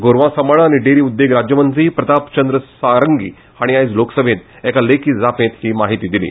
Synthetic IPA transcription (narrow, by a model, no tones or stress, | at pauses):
ɡoɾʋãsəməɭañiɖeɾiːud̪ːeɡɾad͡ʑjəmənd͡ziːpɾət̪apt͡ɕənd̪ɾəsaɾəŋɡḭː | aɽ̃iajd͡zloksəbʱẽt̪ | ɛkalekʰiːd͡zapẽt̪hiːmaɦit̪iːd̪ilḭː